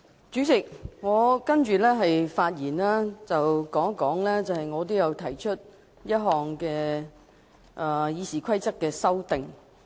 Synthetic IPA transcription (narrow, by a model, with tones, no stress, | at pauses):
t͡ʃyː˨˥t͡sɪ˨k̚ŋɔː˨˧kɐ˥nt͡ʃyː˨lɛː˥ɦɐ˨jfaː˧t̚jiː˨˩nlaː˥t͡sɐ˨wkɔː˨˥ŋɐ˥kːɔː˨˥ŋlɛː˥t͡sɐ˨hɐ˨jŋɔː˨˧t̪̬o˥jɐ˨˧wt̪ʰɐ˨˩jt͡ʃʰɵ˥t̚ | jɐ˥t̚ɦɔː˨ŋkɛː˧ | ʔɛː˨˩jiː˨˧siː˨˩kʷʰɐ˥jt͡sɐ˥k̚kːɛː˧sɐ˥wt̪ɪ˨ŋ